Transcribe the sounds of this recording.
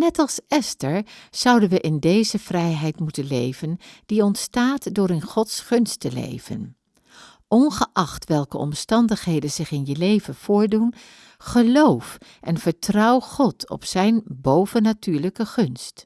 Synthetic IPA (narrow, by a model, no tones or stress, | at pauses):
nɛtɑlˠsɛstəɹz̥ʌwdənʋəʔɪndejzəv̥rɛjɦɛjtmutənlejvənd̥iɔntstaːtdʊːɾɪnχɔtsχɵnstəlḛjvə̰n | ʔɔnχəʔɑχtʋɛlˠkəɔ̰mstɑndəχɦejdənzɪχɪnjəlejvənv̥ʊːɹdun | χəlowfʔɛnvəɹtrɑwχɔtʰɔ̰psɛjnbowvənatyːɹləkəχɵnst